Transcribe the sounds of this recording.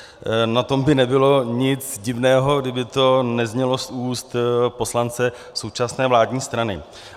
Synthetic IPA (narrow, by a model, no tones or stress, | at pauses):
nat̪o̞mbɪnɛbɪlo̞ɲɪt͡sɟɪvnɛːɦo̞ɡdɪbɪt̪o̞nɛzɲɛlo̞suːst̪po̞slant͡sɛ | so̞wt͡ʃasnɛːvlaːdɲiːst̪ɾanɪ̰